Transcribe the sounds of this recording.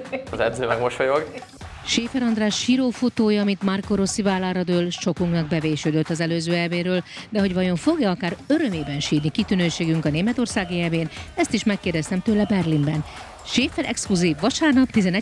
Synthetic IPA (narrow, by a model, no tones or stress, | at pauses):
ɒzɛd̪zøːmɛɡmoʃojoɡ | ʃeːfɛɾɒnd̪raːʃʃiːɾoːfo̞t̪oːjɒːmit̪markoɾo̞sivaːlːaːɾɒd̪øːlʃo̞kuŋknɒɡ̚bɛveːʃød̪øt̪ːɒzɛløːzøːɛlbeːɾøːld̪ɛɦo̞ɟvɒjo̞ɱfo̞ɡjɒɒkaːɾøɾø̞meːbɛnʃiːrnikit̪ynøːʃeːɡyŋkɒneːmɛt̪o̞rsaːɡiɛlbeːnɛst̪iʃmɛkːeːrd̪ɛst̪ɛmt̪øːlɛbɛrlimbɛn | ʃeːfɛɾʔɛ̰kskluziːvːɒʃaːrnɒp̚t̪izɛnɛ